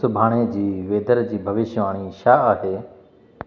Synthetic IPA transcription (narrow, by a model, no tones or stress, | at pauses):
ʊbʱaːɽ̃ed͡ʑiːʋeːd̪əɾd͡ʑiːbʱɐʋɪʃʋaːɽ̃iʃaːaːɦeː